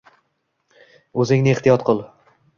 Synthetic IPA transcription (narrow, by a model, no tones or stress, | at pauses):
ɵzɪŋnɪeht̪ijɒt̪qʰʊlˠ